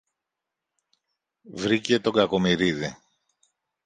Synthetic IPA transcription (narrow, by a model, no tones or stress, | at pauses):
vɾice̞t̪o̞ŋɡɐko̞miɾiði